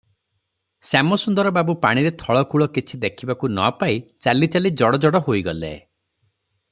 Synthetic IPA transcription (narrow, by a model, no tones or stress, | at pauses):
samɔsund̪ɔɾɔbabupaɽ̃iɾet̪ʰɔɭɔkuɭɔkit͡ʃʰid̪ekʰibakunɔ̰pait͡ʃalit͡ʃalid͡ʒɔɽɔd͡ʒɔɽɔɦoiɡɔlḛ